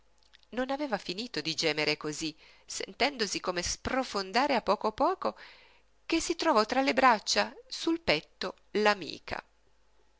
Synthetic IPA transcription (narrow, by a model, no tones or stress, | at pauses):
nonaveːvafiniːt̪od̪id͡ʒɛːmeɾekozi | sḛnt̪ɛnd̪osikomesprofond̪aːɾeapːɔːkopɔːko | kesːit̪ɾovɔt̪ɾalebɾat͡ʃːasulpɛt̪ːo | lamḭːkʰa̰